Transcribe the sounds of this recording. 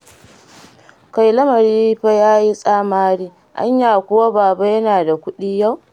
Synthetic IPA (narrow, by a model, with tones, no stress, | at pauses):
ka˨jlɐ˦mɐ˨ɾiː˦ɸa˦jaː˦ji˦sʼaː˦maː˦ɽiː˦ | ʔa̰˦ɲjaː˨kʷʊ˦wa˦baː˨ba˦jɐ˦naː˨da˨kʷʊ˦ɗiː˦ja˦˨w